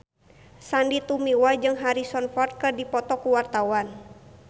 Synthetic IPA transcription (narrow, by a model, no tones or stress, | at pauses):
sandit̪umiwad͡ʒɨŋɦaɾisɔnfɔrt̪̚kɨrdipɔt̪ɔkuwart̪awan